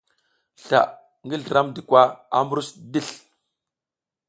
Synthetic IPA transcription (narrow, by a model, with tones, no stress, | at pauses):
ɬa̰˨ʔ | ŋɡi˦ɮə˨ɾa˦mdi˨kʷa˦a˦mbu˦ɾu˦sdi˦˨ɬ